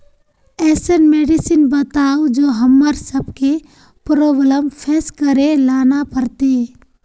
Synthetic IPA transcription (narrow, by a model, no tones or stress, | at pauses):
ɛːsənmeːɖɪsɪnbət̪aːod͡ʒoːɦəmːəɾsəbke | pɾoːbələmpʰɛːskəɾelaːnapəɾt̪e